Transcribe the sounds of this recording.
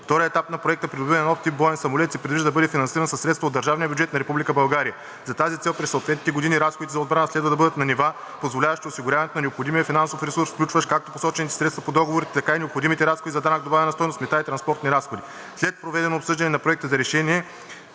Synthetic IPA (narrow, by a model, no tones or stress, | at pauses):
ft̪ɔɾijəɛt̪apnɐpɾoɛk̚t̪əpɾid̪oʊbinnɔft̪ːip̚bɔɛnsɐmolɛt̪sɛpɾɛd̪viʒd̪əd̪ɐbɤd̪ɛfinɐnsiɾɐnsɐsːɾɛt̪st̪vɐod̪ːɐɾʒavniəbʲjʊd͡ʒɛt̪nɐɾɛpublikəbɐlˠɡaɾijə | zɐt̪azit̪sɛlˠpɾɛsːot̪vɛt̪nit̪ɛɡod̪iniɾasxod̪it̪ɛzɐod̪bɾanəslɛd̪vɐd̪ɐbɤd̪ət̪nɐniva | pozvolʲavɐʃt̪iosiɡʊɾʲavɐnɛt̪onɐnɛopxod̪imijəfinansofɾɛsuɾsfklʲut͡ʃvɐʃkak̚t̪oposɔt͡ʃɛnit̪ɛ̥sɾɛt̪st̪vɐpod̪ɔɡovoɾit̪ɛt̪ɐkainɛopxod̪imit̪ɛɾasxod̪izɐd̪anak̚d̪obavɛnɐst̪ɔjnost̪mɛt̪ait̪ɾɐnspɔɾt̪niɾasxod̪i | slɛt̪̚pɾovɛd̪ɛnoːpsɤʒd̪ɐnɛnɐpɾoɛk̚t̪əzɐɾɛʃɛniɛ